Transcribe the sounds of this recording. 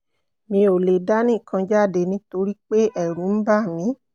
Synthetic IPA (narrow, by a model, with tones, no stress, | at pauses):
mĩ˧˦o˨le˨da˦nĩ˦˨kã˧d͡ʒa˦˨de˨nĩ˧to˧ɾi˦k͡pe˦ɛ˦˨ɾũ˨˦n̩˦ba˦˨mĩ˧˦